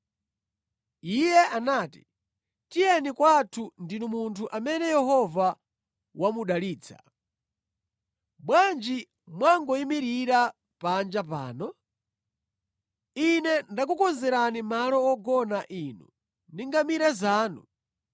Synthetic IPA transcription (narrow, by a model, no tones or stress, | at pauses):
ijɛʔanaːti̥ | tijɛnikwatʰundinumuntʰuʔamɛnɛjɛɦɔva | wamuɗaliːt͡sʰa̰ | ɓwand͡ʒi | mwaŋɡɔimiɾiɾa | pand͡ʒapa̰ːnɔ | inɛndak̬ukɔnzɛɾanimalɔːɡɔnaʔinu | niŋɡamiɾazaːnṵ